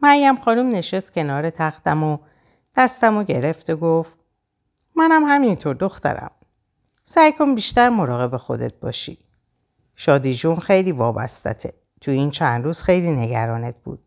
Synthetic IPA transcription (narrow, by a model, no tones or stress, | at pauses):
mæjːæmxɒːnumne̞ʃest̪̚cʰʲe̞nɒːɾet̪ʰæxt̪æmo | d̪̥æst̪æmoɟe̞ɾe̞ft̪eɡof | mænæmhæmint̪ʰoɾd̪o̞xt̪æ̰ɾæ̰m | sæjkʰonbiːʃt̪æɾmo̞ɾɒːɣe̞be̞xo̞̰d̪e̞̰t̪̚bɒ̰ːʃḭ | ʃɒːd̪iːd͡ʒunxe̞jliːvɒːbæ̰st̪æ̰t̪ʰe | t̪ʰujiːnt͡ʃʰænd̪ɾuːz̥xe̞jliːne̞ɡæ̰ɾɒːnet̪̚b̥ṵːd̪̥̚